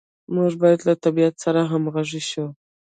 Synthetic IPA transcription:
muʐbɑjad̪lat̪abijat̪saɾaɦamɣaʐiʃu

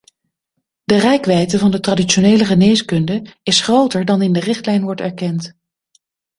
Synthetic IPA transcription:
d̥ərɛjkʋɛjtəvɑndətradit͡ʃonejləχənejskɵndəɪsχrowtəɹdɑnɪndərɪχtlɛjnʋɔɹtɛɹkɛnt

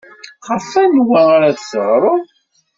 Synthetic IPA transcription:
χəfænwæʁaɾaðsəʁɾˤo

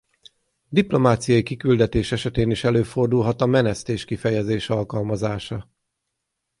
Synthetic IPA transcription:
d̪iplo̞maːt̪sijɒjikikyld̪ɛt̪eːʃɛʃɛt̪eːniʃɛløːfo̞rd̪ulɦɒt̪ɒmɛnɛst̪eːʃkifɛjɛzeːʃɒlkɒlmɒzaːʃɒ

